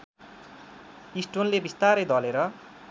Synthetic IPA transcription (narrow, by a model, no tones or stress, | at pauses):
isʈonlebist̪aɾʌjd̪ʌleɾʌ